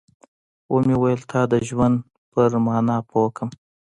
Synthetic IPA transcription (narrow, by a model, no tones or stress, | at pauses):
womewajəlt̪ʰɑd̪əʒwand̪ | pəɾmɑnɑpʰokəm